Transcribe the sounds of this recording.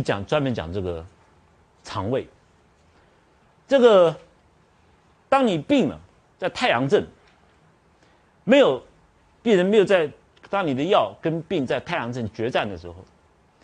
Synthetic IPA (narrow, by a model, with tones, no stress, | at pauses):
t͡ɕjɑ̰˨˩ŋt͡swa˥nmə˧˥nt͡ɕjɑ̰˨˩ŋʈ͡ʂɤ˥˩ɡə˩ | t͡sʰɑ˧˥ŋwe˥˩ɪ | ʈ͡ʂɤ˥˩ɡə˩ | t̪ɑ˥ŋni˨˩pi˥˩ŋnə̰˩ | t͡sa˥˧ɪt̪ʰa˥˩ɪjɑ˧˥ŋʈ͡ʂə˥˩n | me˧˥ɪjo˨˩ʊ | pi˥˩ɻə˧˥nme˧˥jo˨˩ʊt͡sa˥˧ɪ | t̪ɑ˥ŋni˨˩d̪ə˦jɑ˥˩ʊkə˥npi˥˧ŋt͡sa˥˧ɪt̪ʰɪjɑ˧˥ŋt͡sə˥˩nt͡ɕɥɛ˧˥t͡sa˥˩nd̪ə˩ʂɻ̩˧˥xo˧˩ʊ